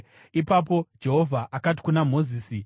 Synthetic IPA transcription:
ipap̬o̞d͡ʒe̞ɦo̞vʱaʔakat̬i̥kunam̤o̞ziːsi

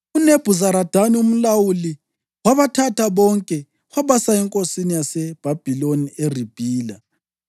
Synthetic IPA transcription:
uneb̥ʱuzaɾad̥ʱanium̩lawuli | waβatʰataβɔŋkʼɛ | waβasaɛŋkʼosinijasɛb̥ʱab̥ʱilonierib̥ʱiːla

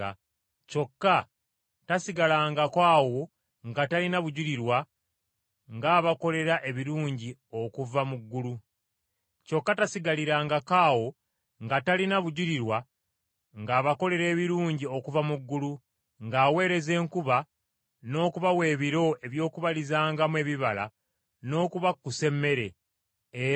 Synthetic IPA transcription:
co̞kːa | tasiɡalaːŋɡakwaːwo̞ | ŋɡatalinaβuɟuɾiɾwa | ŋɡaːβako̞le̞ɾaʔe̞βiɾuːɲɟio̞kuvamuɡːulu | co̞kːatasiɡaliɾaːŋɡakaːwo̞ | ŋɡatalinaβuɟuɾiɾwa | ŋɡaːβako̞le̞ɾe̞ːβiɾuːɲɟio̞kuvamuɡːulu | ŋɡaːwe̞ːɾe̞ze̞ːŋkuβa | no̞ːkuβawe̞ːβiɾo̞e̞βjo̞ːkuβalizaːŋɡamwe̞ːβiβala̰ | no̞ːkuβakːuse̞mːe̞ɾe̞

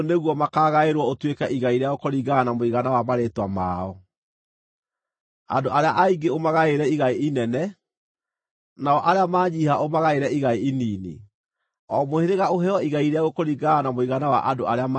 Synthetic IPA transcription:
neɣwɔmakaːɣaeɾwɔotwekɛʔiɣaiɾeaɣokoɾiɡanamoiɣanawamaɾetwama̰ɔ | a̰doʔaɾeaʔaiɡeomaɣaeɾɛiɣaiinɛnɛ | naɔʔaɾeamaːɲihaʔomaɣaeɾɛiɣaiiniːnḭ | ɔmoheɾeɣaoɦɛɔiɣaiɾeaɣokoɾiɡaanamoiɣanawa̰ʔadoʔaɾeam

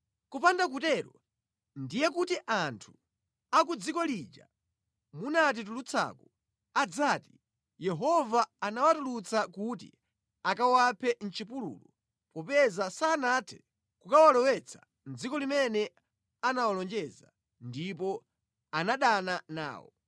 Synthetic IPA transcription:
kupandak̬utɛːɾɔ | ndijɛk̬utiʔantʰu̥ | akud͡zikɔlid͡ʒa̰ | munat̬it̬ulut͡sʰa̰ku | ad͡zaːti | jɛɦɔvaːnawatulut͡sakutḭ | akawapʰɛn̩t͡ʃipulṵːlɔ | pɔpɛzasaːnatʰɛ̥ | kukawalɛwɛt͡sʰḁ | n̩d͡zikɔlimɛnɛ | anawalɔnd͡ʒɛza | ndip̬ɔ | anaɗanana̰ːwɔ̰

